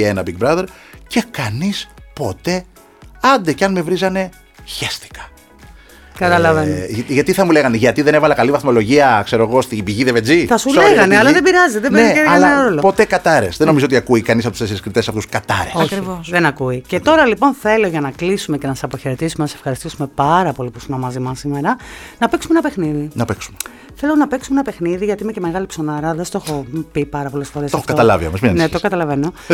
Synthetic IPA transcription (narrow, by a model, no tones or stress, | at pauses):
enɐbiɡ̚bɾɐðe̞ɾce̞kɐnispo̞t̪e̞ | ɐnd̪ecɐnme̞vɾizɐne̞ | çest̪i̥kɐ̥ | kɐt̪ɐlɐvenʝɐt̪iθɐmule̞ɣɐneʝɐt̪iðe̞nevɐlɐkɐlivɐθmo̞lo̞ʝiɐkse̞ɾo̞ɣo̞st̪ibiʝiðeved͡ziθɐsuleɣɐneɐlɐðebiɾɐzeðebbneeɐlɐnɾolopo̞t̪e̞kɐt̪ɐɾe̞̰sðeno̞mizoot̪iɐkuikɐnispot̪useseɾskɾit̪esɐft̪uskɐt̪ɐ̰ɾesosɐkɾivosðenɐkuice̞t̪o̞ɾɐlipo̞nθe̞lo̞ʝɐnɐklisume̞cenɐsɐsɐpoçe̞ɾe̞t̪isumenɐsefxɐɾist̪isume̞pɐɾɐpo̞lipusonɐmɐzimɐsime̞ɾɐnɐpe̞ksumenɐpe̞xniðinɐpeksu̥me | θe̞lo̞nɐpe̞ksumenɐpe̞xniðiʝɐt̪iimece̞me̞ɣɐlipso̞nɐɾɐðest̪oxo̞pipɐɾɐpo̞lesfo̞ɾestoɐxofkɐt̪ɐlɐ̰viɐ̰mɐsminnet̪okɐt̪ɐlɐve̞no̞